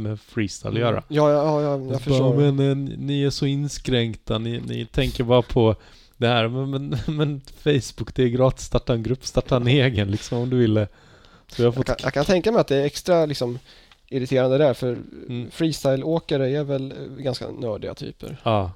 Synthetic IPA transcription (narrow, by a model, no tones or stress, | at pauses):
mɛfɾiːst̪ʰa̰ɪljœːɾa̰jɑːjɑjɑjafəmɛnnɪæʂɔɪnːskɾɛŋkt̪anɪnɪ̰t̪ʰɛŋkəɾbɑːɾapʰɔ | d̪ɛhæːɾmɛmɛnmɛnfɛjsbʊkːd̪ɛɡɾɑːt̪st̪ɑʈːaɛnɡɾɵpːst̪ɑʈːaɛneːɡənlɪksɔmɔmd̪ɵvɪlːə | ssɔjahafɔtakʰant̪ʰɛŋkamɛɪjat̪d̪ɛɛɾɛkst̪ɾalɪksɔm | ɪɾɪt̪ʰeːɾand̪əd̪æɾfœɾfɾiːst̪ajloːkaɾəɛɾvɛlɡanska̰nœːɖɪɡa̰t̪ʰy̰ːpə̰ɾɑː